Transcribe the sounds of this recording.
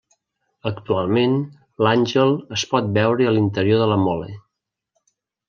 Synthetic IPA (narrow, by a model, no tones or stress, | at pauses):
əkt̪ualˠmen | lanʲʒəlˠəspɔt̪̚bɛwɾəəlint̪əɾioðələmɔlḛ